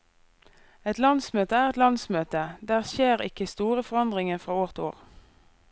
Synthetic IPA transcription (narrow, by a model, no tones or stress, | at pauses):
ɛt̪lɑnsmøːt̪əæːʁɛt̪lɑnsmøːt̪əd̪æːʁʃeːʁɪ̰kəst̪uːʁəfɔʁɑnd̪ʁɪŋəfʁɑːoːʁt̪ʰoːʁ